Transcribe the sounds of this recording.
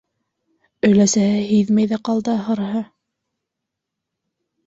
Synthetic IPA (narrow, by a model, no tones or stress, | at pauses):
ɵ̆jlæsæhɘɦiðmæjðæqɑlˠd̪ɑɦɤ̆ɾɦɤ